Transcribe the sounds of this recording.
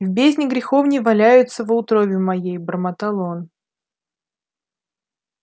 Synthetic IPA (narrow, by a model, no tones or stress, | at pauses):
vbʲezʲnʲɪɡɾʲɪxo̞vnʲɪvɐlʲæjʊt̪səvət̪ɾobʲɪmɐjejbəɾmət̪ɐlˠo̞n